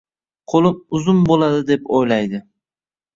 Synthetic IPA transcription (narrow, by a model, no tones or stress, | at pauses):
qʰolˠɪmʊzʊmbolˠad̪ɪd̪epojlajd̪ɪ